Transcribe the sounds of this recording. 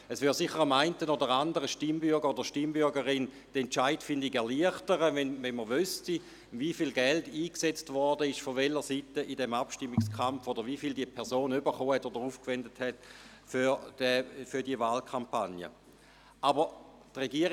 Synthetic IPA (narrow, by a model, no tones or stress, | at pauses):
əsʋyːʁsiχːəʁamaɪntənodəʁandəʁəʃtimbʏɐɡəʁodəʃtimbʏʁɡəʁɪn | d̥ɛnt͡ʃaɪtfɪndɪɡɛɐliəχtəʁəvɛnvɛnməʋysti | vifilɡɛldiːkset͡stvɔɐdəɪʃfovɛləʁsitəʔidɛmapʃtimːɪkskχamfodəɐʋifildiəpʰɛɐsoːnybəχoːhɛtodəʁuːfkvɛndəthɛt | fy̥ɛfydiəvaːlkʰampanjə̰ | ʔabə | tʁeɡiəʁ